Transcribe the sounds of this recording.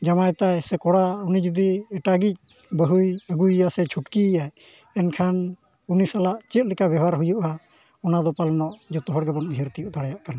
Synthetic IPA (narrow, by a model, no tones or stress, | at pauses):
d͡ʒamajt̪ajsɛkɔɽaunid͡ʒud̪iɛʈaɡic̚ | bəɦujəɡujjasɛt͡ʃʰuʈkijaj | ɛnkʰan | unisalaʔt͡ʃɛt̪̚ˀlɛkabɛɦaɾɦujuʔa | ɔnad̪ɔpalnɔʔd͡ʒɔt̪ɔɦɔɽɡɛbɔnɦɛɾt̪ijuʔd̪aɽajaʔkana